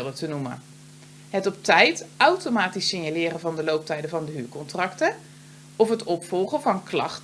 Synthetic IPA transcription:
lˠdətənumə̰ | ɦətɔp̚tɛjtʔɑwtomaːtisɪɲjalɪːrənvɑndəlowp̚tɛjdəvɑndəɦyːɹkɔntrɑktə | ɔfɦətɔpfɔlˠχəvɑnklɑ̰χt

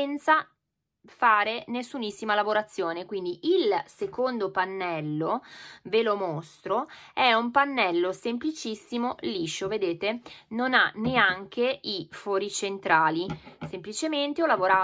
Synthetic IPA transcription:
ɛnt̪sa | faːɾenesːunisːimalavoɾat̪sːjoːnekwind̪iʔilsekond̪opanːɛlːovelomost̪ɾoɛumpanːɛlːosemplit͡ʃisːimoliːʃoved̪eːt̪enonaneaŋk̟ʰeifoːɾit͡ʃent̪ɾaːlisemplit͡ʃement̪eɔlːavoɾa

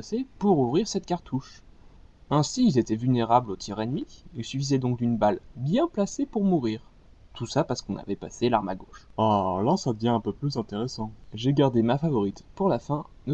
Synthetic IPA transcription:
sepuʁuvʁiʁsɛt̪̚kaʁt̪ʰuʃ | ɛ̃siːlzet̪ɛvylneʁablot̪ʰɛʁenmiilsɥyfizɛd̪ɔ̃k̚d̪ynbalbjɛ̃plasepuʁmuʁiːʁ | t̪ʰusapaʁsə̥kɔ̃na̰vɛpa̰selaʁma̰ɡoʃalasad̪əvjɛ̃ɛ̃pøplyzɛ̃t̪eʁesɑ̃ʒeɡaʁd̪emafavɔʁit̪puʁlafɛ̃d̪ə

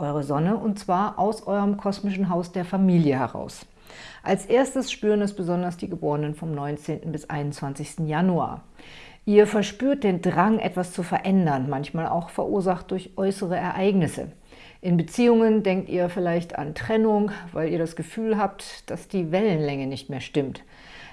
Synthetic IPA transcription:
ʔɔʏʁəzɔnəʊntt͡sv̥aːɐʔaʊsʔɔʏʁəmkʰɔsmɪʃn̩ɦaʊsd̥eːɐfamiːljəhɛʁ̞a̰ʊs | ʔalsʔeːɐstəsʃpyːʁənɛsb̥əzɔndɐsd̥iːɡəboːʁənənfɔmnɔʏnt͡seːntn̩bɪsʔa̰ɪnʊnt͡sv̥ant͡sɪçstn̩janua̰ːɐ | ʔiːɐfɛɐʃpyːɐt̚d̥eːndʁaŋʔɛ̰tv̥ast͡sufɛɐʔɛndɐnmançmaːlʔa̰ʊxfɛɐʔuːɐzaχt̚d̥ʊɐçʔɔʏsəʁ̞əɛɐʔaɪɡnɪsə̰ | ʔɪnbət͡siːʊŋəndɛŋk̚tḭːɐfɪlaɪçta̰ntʁ̥ɛnʊŋva̰ɪliːɐdasɡ̥əfyːlɦaːp̚td̥asd̥iːvɛlənlɛŋənɪçtmeːɐʃtɪmt

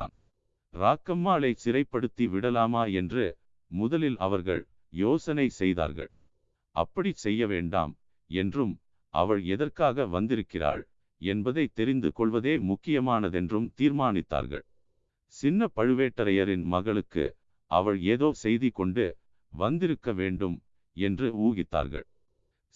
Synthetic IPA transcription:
aːn | ɾaːkːɐmːaːɭɐɪt͡ʃɪɾɐɪpːɐɽɯt̪ːiʋɪɽɐlaːmaːɛndrɯ | mʊðɐlɪlɐ̰ʋɐɾɣɐ̰ɭ | joːsɐnɐɪsɛjða̰ːɾɣɐ̰ɭ | ɐ̰pːɐɽisɛjːɐʋḛːɳɖa̰ːm | ɛndrɯm | ɐ̰ʋɐɭɛðɐrkaːɣɐʋɐnd̪ɪɾɯkːɪra̰ːɻ | ɛnbɐðɐɪt̪ːɛɾɪnd̪ɯ̰kɔɭʋɐðeːmʊkːɪjɐmaːnɐðɛndrɯmt̪iːɾmaːnɪt̪ːa̰ːɾɣɐ̰ɭ | sɪnːɐpɐɻɯʋeːʈːɐɾɐjɐɾɪnmɐɣɐɭɯkːɯ̰ | ʔɐ̰ʋɐɭeːðoːsɛjðɪkːɔɳɖɯ | ʋɐnd̪ɪɾɯkːɐʋeːɳɖɯm | ɛndrɯuːɣɪt̪ːa̰ːɾɣɐ̰ɭ

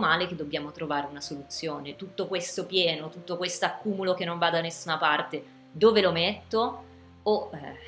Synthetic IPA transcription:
maːleked̪ːobːjaːmot̪ɾovaːɾeunasolut̪sːjoːnet̪ut̪ːokwest̪opjɛːnot̪ut̪ːokwest̪oakːuːmulokenːõɱvad̪anesːunapart̪e | d̪oːvelomet̪ːo | oɛ

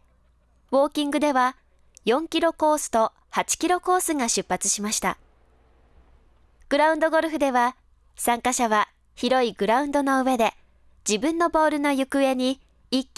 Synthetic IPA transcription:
βo̞ːkʲĩŋɡɯd̪e̞βa | jõ̞ŋkʲiɾo̞ko̞ːsɨ̥t̪o̞ | hat͡ɕi̥kʲiɾo̞ko̞ːsɨŋaɕɨpːat͡sɨ̥ɕimaɕi̥t̪a̰ | ɡ̥ɯ̟ɾaɯ̟̃nd̪o̞ɡo̞ɾɯ̟ɸɯ̟d̪e̞β̞a | sãŋkaɕaβa | çiɾo̞iɡɯ̟ɾaɯ̃nd̪o̞no̞ɯ̟e̞d̪e̞ | d͡ʑibɯ̟̃nːo̞bo̞ːɾɯ̟no̞jɯ̟kɯ̟e̞ɲ̟iː | kʲː

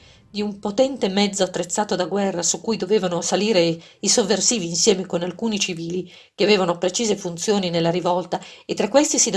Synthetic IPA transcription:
d̪iumpot̪ɛnt̪emɛd̪zːoat̪ːɾet̪sːaːt̪od̪aɡwɛrːasukːujd̪oveːvanosaliːɾe | isovːersiːviːnsjɛːmekonalkuːnit͡ʃiviːli | k̟eaveːvanopɾet͡ʃiːzefunt̪sjoːninelːaɾivɔlt̪aet̪ːɾakːwest̪isid̪

